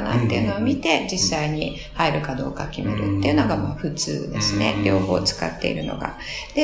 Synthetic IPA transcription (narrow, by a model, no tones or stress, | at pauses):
na̰t̪ːe̞iɯ̟no̞ːmʲit̪e̞d͡ʑisːaiɲ̟i | haeɾɯ̟kad̪o̞̰ːkakʲime̞ɾɯ̟t̪ːe̞iɯ̟no̞ɡamaːɸɯ̟t͡sɨ̰ːd̪e̞sɨne̞ɾʲo̞ːho̞ːt͡sɨ̥ka̰t̪ːe̞ḭɾɯ̟no̞ɡa̰ | d̪̥e